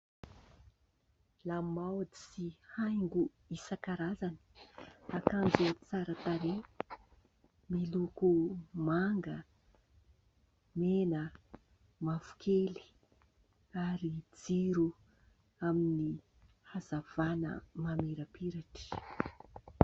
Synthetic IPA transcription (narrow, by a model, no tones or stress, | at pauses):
lamawadi̥sihajŋɡu | isakaɾazani̥akand͡zut͡saɾət̪aɾe | milukumaŋɡə | menə | mafu̥kʰeli̥ | aɾid͡ziɾu | amini | hazav̥anə̰mameɾəpiɾaʈ͡ʂi̥